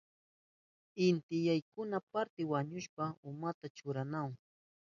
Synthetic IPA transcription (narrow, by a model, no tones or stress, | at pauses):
ɪnt̪ɪjajkʊnapaɾt̪ɪwaɲʊʃpaʊmat̪at͡ʃʊɾanaŋ